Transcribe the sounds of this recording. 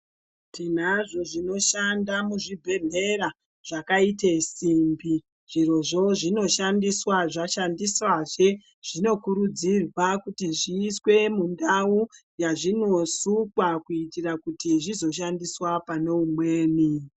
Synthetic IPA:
tin̤aʐo̞ʐino̞ʃandamuʐibʱe̞ɮe̞ɾa | ʐ̥akaitesimbi | ʐ̥iro̞ʐo̞ʐino̞ʃandiswaʐaʃandiswaʐe | ʐ̥ino̞kuɾud͡zirwakutiʐiːswe̞mundaujaʐino̞sukwakuitirakutiʐizo̞ʃandiswapane̞umwe̞ːni

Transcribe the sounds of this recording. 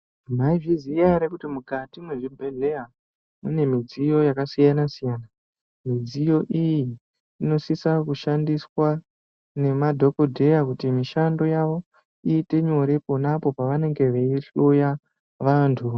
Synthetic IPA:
maiʐizijaɾekutimukatimwe̞ʐibʱe̞ɮe̞ja | mune̞mid͡zijo̞jakasijanasijaːna | mid͡zijo̞ʔijiː | no̞sisakuʃandiswa | ne̞madʱo̞kodʱe̞jakutimiʃando̞jaʋo̞ | iːte̞ɲo̞ɾe̞po̞napo̞paʋane̞ŋɡe̞ʋeiɬoja | ʋantʰu

